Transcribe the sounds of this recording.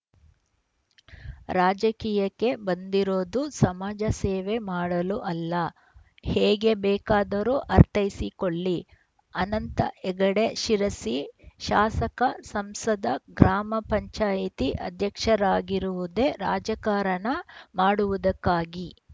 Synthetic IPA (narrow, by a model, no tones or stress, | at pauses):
ɾaːd͡ʒɐkiːjɐkːe̞bɐnd̪iɾo̞ːd̪usɐmaːd͡ʒɐsɛːʋe̞maːɽɐluʔɐlːɐ | hɛːɡebɛːkaːd̪ɐɾuʔɐɾt̪ɐjisikoɭːi | ɐnɐnt̪ɐ̰ʔɛɡɐɽe̞ʃiɾɐsiʃaːsɐkɐsɐmsɐd̪ʱɐɡɾaːmɐpɐɲt͡ʃaːjit̪iʔɐ̰d̪ʱjɐkʂɐɾaːɡiɾuʋud̪e̞ɾa̰ːd͡ʒɐkaːɾɐɳɐmaːɽuʋud̪ɐkːaːɡi